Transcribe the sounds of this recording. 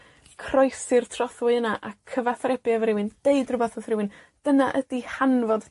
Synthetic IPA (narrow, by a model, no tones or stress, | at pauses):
kʰrɔjsɨrtʰrɔθwɪənaʔakʰəvaθrɛbjavɾɪwɨnd̥eɨdrʊbaθəθrɪwɨnd̥ənaʔədihanvɔd̥